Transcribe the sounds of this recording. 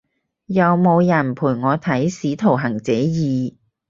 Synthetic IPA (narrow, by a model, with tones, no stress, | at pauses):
jɐ˨˧wmo˨˧wjɐ˨˩npʰuː˨˩jŋɔː˨˧t̪ʰɐ˨˥jsiː˨˥t̪ʰo˨˩wɦɐ˨˩ŋt͡sɛː˨˥jiː˨˧